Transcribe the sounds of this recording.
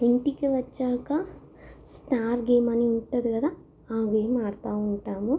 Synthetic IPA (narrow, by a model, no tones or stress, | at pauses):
iɳʈikiʋɐt͡ʃːaːkɐ | sʈaːɾɡeːmɐniuɳʈud̪ikɐd̪a | aːɡeːmaːɽt̪aːuɳʈaːmu